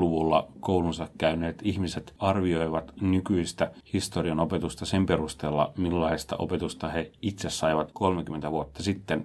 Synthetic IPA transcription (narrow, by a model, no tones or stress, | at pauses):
luʋulːɑ̰kouwlunsɑkkæyneːt̪ihmiset̪ɑrʋio̞jʋɑt̪nykyist̪æhist̪oriɑnope̞t̪ust̪ɑsempe̞ɾust̪eːlːɑ̰milːɑist̪ɑ̰ʔo̞̰pe̞t̪ust̪ɑheit̪sessɑiʋɑt̪ko̞lmekymːent̪æʋuot̪ːɑsit̪ːen